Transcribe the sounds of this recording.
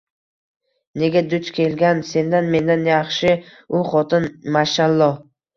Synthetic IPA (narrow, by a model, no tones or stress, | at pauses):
ne̞ɡʲad̪ʊt͡ʃkʲʰe̞lɡʲanse̞nd̪anme̞nd̪anjɑχʃɪ | ʊχɒt̪ʰɪnmaʃalˠːɒ